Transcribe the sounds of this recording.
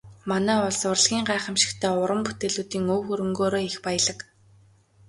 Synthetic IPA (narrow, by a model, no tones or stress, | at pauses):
manæːʊɮsʊ̆rɮɣʲiːŋɢæːχə̆mʃɪ̥̆kt̪ʰæːʊɾə̆mput̪eːɮuːt̪iːŋɵwxɵɾɵ̆ŋɡoːɾoːixpajə̆ɮə̆k